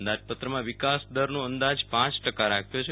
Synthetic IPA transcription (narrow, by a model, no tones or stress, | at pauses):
ənd̪ad͡ʒpət̪ɾəmãʋɪkasd̪əɾnõənd̪ad͡ʒpãt͡ʃʈəkaɾakʰjot͡ʃʰe